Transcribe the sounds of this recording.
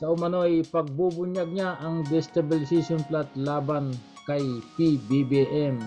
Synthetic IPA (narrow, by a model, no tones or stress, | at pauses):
kɐʔʊmɐno̞jpɐɡ̚bubʊɲaɡ̚ɲaʔɐŋd̪ɛst̪ɐbɪlɪsisonplat̪laːban | kɐjpibibiʔɛm